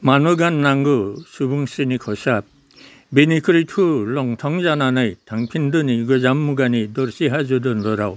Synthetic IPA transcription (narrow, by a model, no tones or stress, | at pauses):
manɯɡanːaŋɡɯsubɯŋsinikʰɔsap̚ | binikʰɯɾitʰulɔŋtʰɔŋzananɯjtʰaŋpʰindɯniɡɯzamːuɡanidɔɾsiɦazɯdɯnɾɔɾa̰w